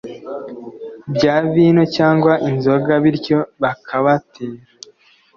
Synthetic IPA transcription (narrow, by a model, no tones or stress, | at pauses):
bɟaːβiːno̞caːŋɡwaʔinzo̞ɡaβiɾɟo̞βakʰaβatʰeːɾa